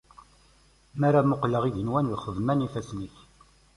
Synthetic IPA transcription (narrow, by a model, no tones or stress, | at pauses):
mæɾamʊqləʁiʝənwænlχəvmænifæsnəç